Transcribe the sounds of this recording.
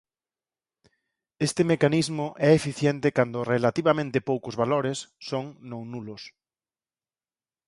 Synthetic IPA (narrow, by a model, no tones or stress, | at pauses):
est̪ɪmekanizmʊʔɛefiθjent̪ɪkand̪ʊrelat̪iβamẽnt̪ɪpowkʊzβaloɾesːõŋnõŋnulʊs